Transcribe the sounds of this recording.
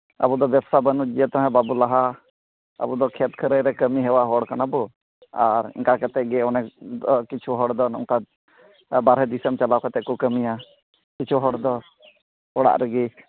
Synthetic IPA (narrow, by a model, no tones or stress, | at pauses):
ə̰bud̪ɔbjɛbsabənud͡ʒijət̪ɔ̃ɦɛ̃babulaɦa | ə̰bud̪ɔkʰɛt̪kʰəɾəjɾɛkəmiɦɛwaɦɔɽkanabɔ | aɾḭŋkakat̪ɛʔɡɛɔnɛɔkit͡ʃʰuɦɔɽd̪ɔnŋka | baɾɦɛd̪isəmt͡ʃalawkat̪ɛʔkukəmija | kit͡ʃʰuɦɔɽd̪ɔ | ɔɽa̰ʔɾəɡi